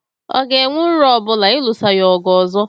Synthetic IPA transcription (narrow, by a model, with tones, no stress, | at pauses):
ɔ̰˦ɡe˨ŋʷʊ˦ɾɔ˦˨bʊ˦la˨ɪ˦lʊ˨sa˦jɔ˨ɡɔ˨zɔ˦